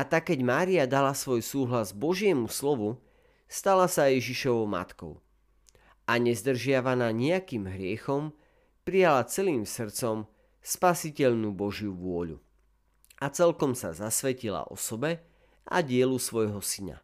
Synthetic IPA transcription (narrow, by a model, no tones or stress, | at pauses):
ʔat̪akːɛɟmaːɾiad̪alasʋɔjsuːɦlazbɔʒɪɛmuslɔʋu | st̪alasajɛʒiʃɔʋɔʊma̰t̪kɔ̰ʊ | ʔaɲɛzd̪r̩ʒɪaʋanaːɲɛakiːmɦɾɪɛxɔm | pɾijalat͡sɛliːmsr̩t͡sɔm | spasicɛʎnuːbɔʒjuʋʊɔʎṵ | ʔat͡sɛlkɔmsa̰zasʋɛcila̰ʔɔ̰sɔbɛ | ʔa̰ɟɪɛlusʋɔjɦɔsina̰